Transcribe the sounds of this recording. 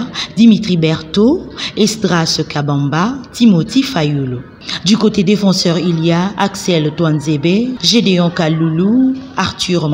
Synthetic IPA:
d̪imit̪χibɛʁt̪oest̪ʁasəkabɑ̃mbat̪imot̪ifajulo | d̪ykot̪ed̪efɑ̃sœʁiljaaksɛlt̪wanzebeʒed̪eɔ̃kaluluaʁt̪yʁm

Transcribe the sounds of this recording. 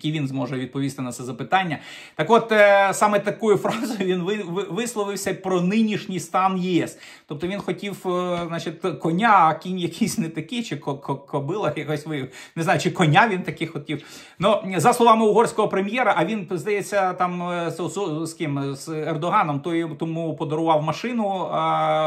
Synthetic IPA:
jkʲiʋʲinzmɔʒɛʋʲid̪̚pɔʋʲist̪ɪnɐt̪sɛzɐpɪt̪ɑnʲːɐ | t̪ɑkʋɔt̪sɑmɛt̪ɐkujʊfɾɑzʊjʊʋʲinʋɪʋʋɪslˠɔʋɪwsʲɐpɾɔnɪnʲiʃnʲijst̪ɑnjiɛs | t̪ɔp̚t̪ɔʋʲinxɔtʲiwznɑt͡ʃɪt̪ʲkɔnʲakʲinʲjɐkʰʲisʲnɛt̪ɐkit͡ʃɪkɔkɔkʰɔbɪlˠɐxjɐkɔsʲʋɪnɪznɑjʊt͡ʃɪkɔnʲaʋʲint̪ɐkɪxɔtʲiw | nuzɐslˠɔʋɑmɪʊɦɔrsʲkɔɦɔpɾemʲjɛɾɐʔɐʋʲinzd̪ɐjet͡sʲːɐt̪ɑmssskɪmz̥ɛrd̪ɔɦɑnɔmt̪ɔjt̪ɔmupɔd̪ɔɾʊʋɑwmɐʃɪnʊ

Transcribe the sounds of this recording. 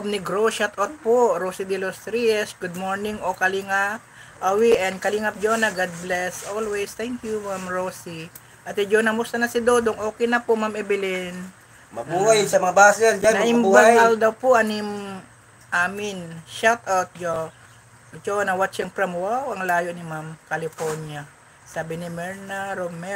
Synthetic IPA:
ʔob̚nɪɡɾoʃat̪ʔawt̪̚poɾoːsid̪ɪlost̪ɾiɛsɡud̪̚moɹnɪŋokɐliŋapʔɐwiʔɛnd̪̚kɐliŋɐp̚d͡ʒonɐɡad̪̚blɛsʔolwɛjst̪ɛŋkjumamɹosi | ʔɐt̪ɪd͡ʒonɐmʊst̪ɐnɐsɪd̪oːd̪oŋʔo̞ːkɛjnɐpoʔmamʔɛbɪlɪn | mɐbuːhajsɐmɐŋabasɛnd͡ʒannɐʔɪmubaŋald̪ɐwpʊʔɐnim | ʔaːmɪnʃat̪awt̪̚d͡ʒo | d͡ʒonɐwat̪t͡ʃɛŋpɾɐmwawʔɐŋlaːjoʔnɪmamkɐlɪfoɹnja | saːbɪnɪmɛɹnaɾomɛ

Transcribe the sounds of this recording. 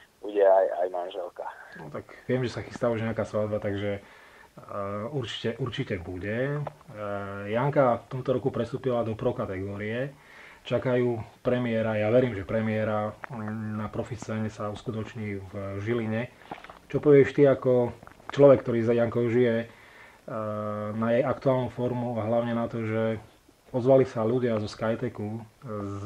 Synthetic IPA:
buɟɛaja̰jmanʒɛlkanɔt̪aɡʋɪɛmʒɛsaxist̪aːuʒɲɛakaːsʋad̪bat̪aɡʒɛ | uɾt͡ʃi̥cɛʔuɾt͡ʃicɛbuɟɛ | jaŋkaft̪ɔmt̪ɔɾɔkupɾɛst̪uːpilad̪ɔpɾɔkat̪ɛɡɔːɾiɛ | t͡ʃakajuːpɾɛmɪɛɾajaʋɛɾiːmʒɛpɾɛmɪɛɾa | napɾɔfit͡saɲɛsauskut̪ɔt͡ʃɲiːvʒiliɲɛ | t͡ʃɔpɔʋɪɛʃt̪iakɔ | t͡ʃlɔʋɛkːt̪ɔɾiːzajaŋkɔʊʒijɛ | najɛjakt̪uaːlˠnufɔɾmuaɦlaʊɲɛnat̪ɔʒɛ | ɔzʋalisaʎuɟɪazɔskajt̪ɛku

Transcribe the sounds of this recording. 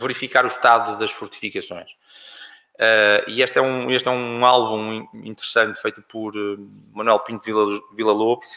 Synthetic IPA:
vɨɾifikaɾuʃt̪aðuðɐʃfuɾt̪i̥fikɐsõ̰j̃ʃ | ɛieʃt̪ɛũeʃt̪ɛũalˠβũĩḭ̃nt̪ɨɾɨsɐ̃nt̪fejt̪upɔɾ | mɐnwɛlˠpĩnt̪iɐvilˠɐlˠoβuʃ

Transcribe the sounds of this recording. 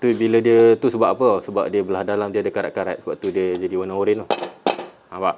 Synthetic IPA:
t̪ubilədiət̪usəbap̚ʔapəsəba̰p̚diəbəlahdalamdiəadəkaɾa̰ʔkaɾa̰ʔ̪səbap̚t̪udiəd͡ʒadiwanãoɾinuh | ãbaʔ

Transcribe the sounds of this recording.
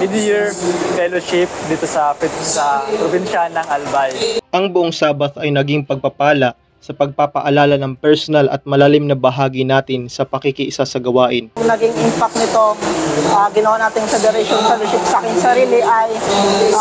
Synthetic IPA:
mɪd̪ijiɹfɛloʃɪp̚d̪iːt̪osɐfɛsɐpɾobinʃanɐŋɐlbajʔɐŋbʊʔoŋsaːbɐt̪ɐjnɐɡiŋpɐɡ̚pɐpaːlɐ | sɐpɐɡ̚papɐʔɐlaːlɐnɐŋpɛɹsonɐlɐ̰t̪̚mɐlaːlɪmnɐbɐɦaːɡinaːt̪ɪnsɐpɐkikiʔɪsasɐɡɐwaːʔɪnnɐɡɪŋʔɪmpɐk̚t̪nɪt̪o̞ʔaɡɪnɐwanaːt̪ɪŋfɛd̪ɛɾɛʃonfɛloʃɪpsakɛnsɐɾiːlɪʔaj

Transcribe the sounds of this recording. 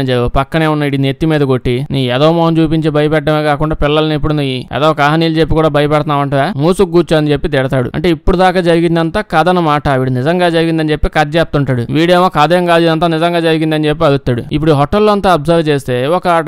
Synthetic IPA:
pɐkːɐne̞ːunːɐiʈinet̪ːimiːd̪ɐkoʈːiniːɛd̪ɐːmɔːɦɐnt͡ʃuːpiɲt͡ʃeːbʱɐjɐpɛʈ̚ɖɐmeːkaːkuɳɖaːpilːɐlɐnipːuɽunɐjiɛ̰d̪ɐːkaːɦɐniːlut͡ʃepːikuːɽaːbʱɐjɐpɐɽɐt̪naːʋɐɳʈɐːjaːmuːsuk̚ɡuːt͡ʃuɐnit͡ʃe̞pːit̪̬ɛɽɐt̪aːɽṵɐ̰ɳʈe̞ːipːuɽud̪aːkaːd͡ʒɐɾiɡind̪ɐnt̪aːkɐd̪ɐnɐmaːʈɐʋiːɽunizɐŋɡaːd͡ʒɐɾiɡind̪ɐnit͡ʃe̞pːikɐd͡ʒɛːp̚t̪uɳʈaːɽuʋiːɽeːmoːkɐd̪ɐjɐmɡaːd͡ʒid̪ɐnt̪aːnizɐŋɡaːd͡ʒɐɾiɡind̪ɐnit͡ʃe̞pːiɐɽut̪ːaːɽṵipːuɽuɦɔʈːɐlːoːɐnt̪aːɐbsɐɾt͡ʃeːst̪e̞ːɔkɐ

